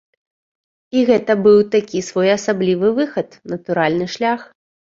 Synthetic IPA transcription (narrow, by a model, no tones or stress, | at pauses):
iɣɛt̪ɐbɨwt̪akʲisvɔjɐsablʲivɨvɨxɐt̪nɐt̪uɾalʲnɨʂlʲax